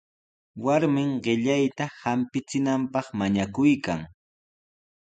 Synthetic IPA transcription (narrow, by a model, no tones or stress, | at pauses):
waɾmɪŋɢɪʎajt̪ahampɪt͡sɪnampɑχmaɲakʊjkaŋ